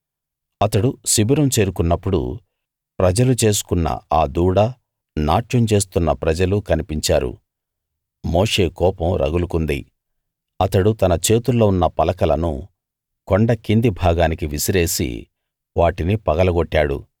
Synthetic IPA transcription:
ɐt̪ɐɽusibiɾɐmt͡ʃe̞ːɾukunːɐpːuɽṵ | pɾɐd͡ʒɐlut͡ʃe̞ːs̬u̥kunːɐ̰aːd̪uːɽɐ | naːʈjɐmt͡ʃe̞ːs̬t̪unːɐpɾɐd͡ʒɐlukɐnipiɲt͡ʃaːɾṵ | moːʂe̞ːkɔːpɐmɾʔɐ̰ɡulukund̪ḭ | ɐt̪ɐɽut̪ɐnɐt͡ʃe̞ːt̪ulːo̞ːunːɐpɐlɐkɐlɐnṵ | koɳɖɐkind̪ibʱaːɡaːnikiʋisiɾe̞ːsḭ | ʋaːʈinipɐɡɐlɐɡoʈːaːɽṵ

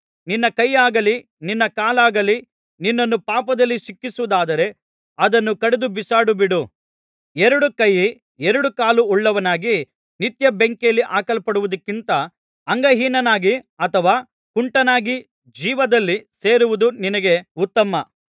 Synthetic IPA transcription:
ninːɐkɐjːaːɡɐli | ninːɐkaːlaːɡɐli | ninːɐnːupaːpɐd̪ɐlːiʃikːisuʋud̪aːd̪ɐɾe̞ | ɐd̪ɐnːukɐɽed̪ubisaːɽubiɽu | ɛɾɐɽukɐjːi | ɛɾɐɽukaːluɔɭːɐʋɐnaːɡi | nit̪jɐbeŋkejɐlːiʔaːkɐlɐpɐɽuʋud̪ɐkːint̪ɐ | ɐŋɡɐɦiːnɐnaːɡi | ɐt̪ʰɐʋaː | kuɳʈɐnaːɡi | d͡ʒiːʋɐd̪ɐlːise̞ːɾuʋud̪uninɐɡe̞ut̪ːɐmɐ

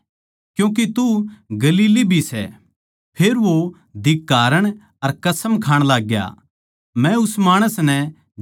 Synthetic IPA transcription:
kjũːk̬et̪uɡɐliːlibʱisɛ̰ | pʰeːɾʋo | d̪ɪkːaːɾəɽ̃ | ɐɾkɐsəmkʰaːɽ̃laːɡja̰ | mɛ̃ʊsmaːɽ̃əsnɛ̃

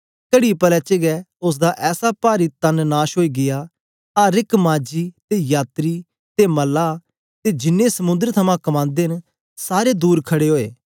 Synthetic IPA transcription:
kəɽipəlɛːt͡ʃeɡɛʊs̬d̪aʔɛːsapaːɾit̪ɐnnaːʃɦoːiːɡɪjaː | aɾɪkmãːd͡ʒiːt̪ejaːt̪ɾiː | t̪emɐlːaː | t̪ed͡ʒɪnːẽsəmʊ̃nd̪əɾt̪ʰɐmãːkɐmãːnd̪eːn | saːɾed̪uːɾkʰɐɽeːɦoːeː

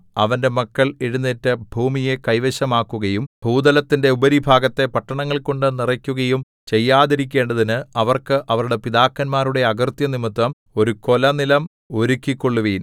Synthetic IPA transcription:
ɐʋɐnde̞mɐkːɐɭeɻunːeːtːɨbʱuːmije̞kɐjʋɐɕɐmaːkːuɣɐjumbʱuːd̪ɐlɐt̪ːinde̞ubɐɾibʱaːɡɐt̪ːe̞pɐʈːɐɳɐŋːɐɭko̞ɳɖɨnirɐkʲːuɣɐjum | t͡ɕe̞jːaːðiɾik̬ʲːe̞ːɳɖɐðinɨɐʋɐrkɨʔɐʋɐɾuɽe̞piðaːkːɐnmaːɾuɽe̞ɐɡɐrt̪jɐnimit̪ʋɐm | o̞ɾuko̞lɐnilɐm | o̞ɾukʲːikːo̞ɭːuʋiːn

